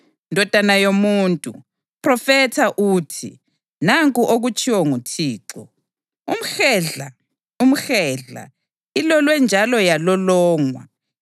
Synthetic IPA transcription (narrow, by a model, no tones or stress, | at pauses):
ndʱɔd̥ʱanajomuːntʼu | pʰʼrɔfɛtʰaʔuːtʰi | naŋkʼuʔoɣut͡ʃʰʼiwɔŋutʰiːǁɔ | um̩ɛɮa | um̩xɛɮa̰ | ilɔlwɛnd͡ʒʱalɔjalɔlɔːŋwa̰